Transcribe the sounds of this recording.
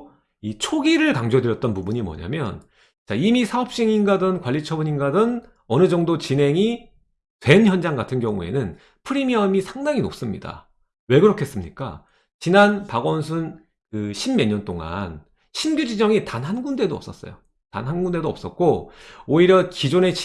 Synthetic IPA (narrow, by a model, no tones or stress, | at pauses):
it͡ɕʰoɡiɾɯɭkaŋd͡ʑodɯɾjʌt̚t͈ʌnpubuɲimwʌ̰ɲa̰mjʌ̰n | t͡ɕaimisʰaʌp̚ɕ͈iŋinɡadɯnkwaʎːit͡ɕʰʌbuɲinɡadɯn | ʌnɯd͡ʑʌŋdot͡ɕinɦe̞ŋi | twe̞nçjʌnd͡ʑaŋɡatʰɯnɡjʌŋṵe̞̰nɯn | pʰɯɾimiʌmisʰaŋdaŋino̰p̚s͈ɯmɲḭda̰ | we̞ɡɯɾokʰe̞s͈ɯmɲik͈a̰ | t͡ɕinanpaɡʌnsʰun | kɯɕʰimme̞ɲʌnt͈oŋa̰n | ɕʰimɡʲjud͡ʑid͡ʑʌŋitanɦanɡunde̞doʌ̰ps͈ʌs͈ʌ̰jo | ta̰nɦanɡunde̞doʌp̚s͈ʌt̚k͈ooiɾjʌkid͡ʑone̞t͡ɕ